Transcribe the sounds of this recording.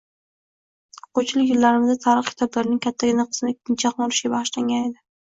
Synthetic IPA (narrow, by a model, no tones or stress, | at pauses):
qʰot͡ʃʰɪlɪjɪlːaɾɪmɪzat̪ʰaɾɨχkʲʰɪ̥t̪ʰabɪɾɪnɪŋkʲʰat̪ʰːaɡʲɪnaqʰɨ̥snɪkʲʰːɪnt͡ʃʰaqɒɾɪʃɡʲabaʁɨʃlaŋɡʲane̞d̪ɪ